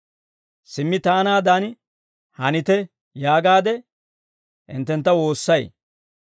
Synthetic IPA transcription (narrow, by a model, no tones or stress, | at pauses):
sɪmːɪt̪aːnaːd̪an | hɐnɪt̪ɛ | jaːɡaːd̪ɛ | ʔɪ̰nt̪ːɛnt̪ːɐwo̞ːsːɐj